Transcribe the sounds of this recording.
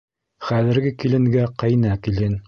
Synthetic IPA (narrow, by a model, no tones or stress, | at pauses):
χæðɘ̆ɾɡɘkilɘ̆ŋɡæqɑjnækilɘn